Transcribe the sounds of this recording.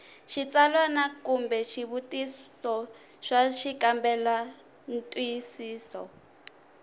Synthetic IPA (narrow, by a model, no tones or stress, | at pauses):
ʃit͡salwanakumbɛʃiβutissɔ | ʃaʃikambɛla | n̩tʼwijisiːsɔ